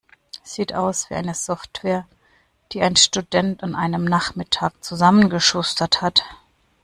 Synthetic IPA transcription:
ɛsz̥iːtʔaʊsv̥ḭːʔa̰ɪnəzɔftv̥ɛːɐ | d̥iːʔaɪnʃtudɛntanʔaɪnəmnaχmɪtʰaːk̚t͡suzamənɡəʃʊstɐthat

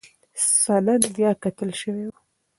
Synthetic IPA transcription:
sɑlad̪d̪jɑkat̪əlʃəwewa

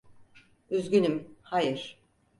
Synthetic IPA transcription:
yzɡʲynymhajɯɾ̥

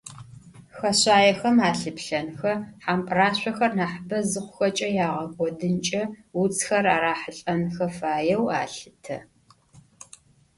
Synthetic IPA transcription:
xɐɕaːjɛxɐmaːɬɨpɬɐnxɐħampʼraːɕʷɐxɐrnaːħbɐzɨχʷʊxɐt͡ʃʼɐjaːʁɐɡʷʼɔdɨnt͡ʃʼɐwut͡sʰʼxɐraːɾaːħəɬʼɐnxɐfaːjɛwa̰ːɬɨtʰɐ

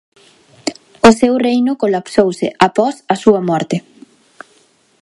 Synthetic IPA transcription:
ʊsewrejnʊkolapsowsɪʔapɔsɐsuɐmɔɾt̪ɪ

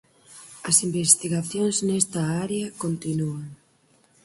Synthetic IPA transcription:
ɐsimbest̪iɣaθjoŋznest̪ɐaɾeɐkont̪inuaŋ

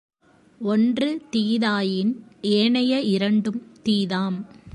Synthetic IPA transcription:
ɔndrɯt̪iːðaːjɪneːɳɐjɐɪɾɐɳɖɯmt̪iːðaːm

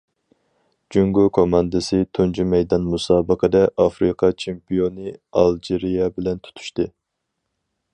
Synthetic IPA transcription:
d͡ʒyŋɡokʰomɑnd̪ɨsɪt̪ʰund͡ʒimɛjd̪ɑnmusɑːbəqʰəd̪ɛʔɑfɾɨqʰɑt͡ʃʰempijonɨɑlˠd͡ʒeɾijɛbɪlɛnt̪ʰu̥t̪ʰu̥ʃt̪ɨ

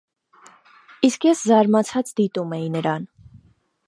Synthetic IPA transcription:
iskjɛszɑɾmɑt͡sʰɑt͡sd̪it̪umɛjinəɾɑn

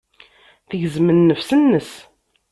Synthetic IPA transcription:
θəʝzmənːəfsənːəs

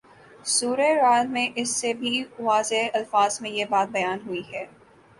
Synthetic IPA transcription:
suːɾeɾaːlmẽʔɪsːebʱiʋaːzeɐlfaːzmẽjebaːt̪̚bɐjaːnɦuiɦɛː

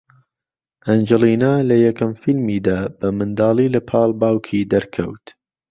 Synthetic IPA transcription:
ʔɐnd͡ʒɛliːnaːlɐjɐkɐmfilmiːd̪aːb̥ɐmɨnd̪aːlˠiːlɐpʰɑːlˠbaːwkʰid̪ɐɾkʰɐwt̪

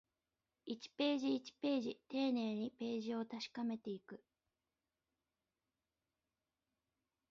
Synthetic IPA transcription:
it͡ɕi̥pe̞ːʑiːt͡ɕi̥pe̞ːʑit̪e̞ːne̞ːɲ̟ipe̞ːʑio̞t̪aɕi̥kame̞t̪e̞ikɯ̟

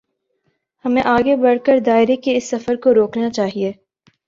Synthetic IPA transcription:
hɐmẽʔaːɡebɐɽkəɾd̪aːɪɾekeɪsːɐfəɾkoɾoːknat͡ʃaːɦieː

